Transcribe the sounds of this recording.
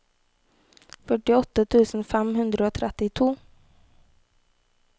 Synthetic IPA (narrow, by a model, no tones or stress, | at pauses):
fœʈɪɔt̪ːət̪ʰʉ̟ːsənfɛmɦɵnd̪ɾəot̪ʰɾɛt̪ːɪt̪ʰuː